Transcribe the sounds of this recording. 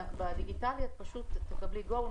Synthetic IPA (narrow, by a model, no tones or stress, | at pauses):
bad̪iɡit̪aljot̪̚paʃut̪ːekabliɡo